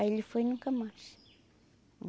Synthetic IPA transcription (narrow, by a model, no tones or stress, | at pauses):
aelifojnuŋkəmaʃ